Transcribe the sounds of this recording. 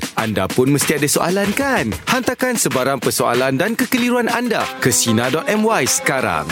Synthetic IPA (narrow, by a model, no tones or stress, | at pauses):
ʔa̰nda̰pʊnməst̪iadasoʔa̰lankanhant̪akansəbaɾaŋpərsoa̰landankəkəliɾuananda̰kəsinadɔt̪̚ɛmwajsə̥kaɾa̰ŋ